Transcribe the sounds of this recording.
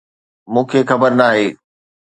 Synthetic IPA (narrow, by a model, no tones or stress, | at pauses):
mũːkʰexɐbəɾnaːɦeː